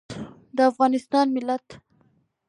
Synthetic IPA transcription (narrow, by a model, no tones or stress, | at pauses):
d̪əafɣɑnɪst̪ɑnmɪlat̪